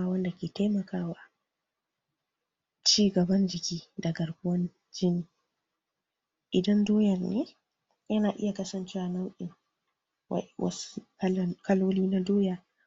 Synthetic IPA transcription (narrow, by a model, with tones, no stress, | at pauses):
a˨˦wɐ˦nda˨kʲeː˨ta˦jmɐ˨kaː˦waː˨ | t͡ʃiː˦ɡɐ˨bɐ˦nd͡ʒɪ˨kʲiː˦da˨ɡɐ˨ɽɡʊ˦wɐ˦n | d͡ʒɪ˦niː˨ | ʔɪ˨dɐ˦ndoː˦jɐ˨rneː˦ | jɐ˦naː˨ʔɪ˦ja˨kɐ˦sɐ˨nt͡ʃi˦wa˨na˦wʔɪ˨ŋ | w̰wɐ̰˦su̥˦kkɐ˦loː˦liː˦na˦doː˦jaː˨